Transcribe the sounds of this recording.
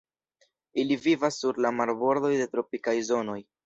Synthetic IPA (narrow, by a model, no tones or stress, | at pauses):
ilivivasːuɾlamaɾbo̞ɾd̪o̞jde̞tɾo̞pikajzo̞no̞j